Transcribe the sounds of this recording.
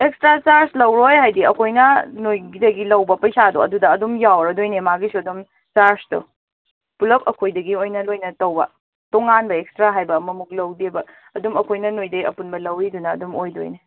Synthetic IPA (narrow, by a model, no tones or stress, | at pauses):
ekstɾat͡ʃaɾslɐwɾojɦajdiɐkʰojnɐnojɡidɐɡilɐwbɐpɐjsado̰ɐ̰dudɐːdumjawɾɐdojnemaɡisuɐdum | t͡ʃaɾstṵ | pulɐk̚ɐkʰojdɐɡiojnɐlojnɐtɐwbɐ̰ | toŋanbɐekstɾaɦajbɐmɐmuk̚lɐwdebɐːdumɐkʰojnɐnojdɐɐ̰punbɐlɐwɾidunɐ̰ːdumojdo̰jne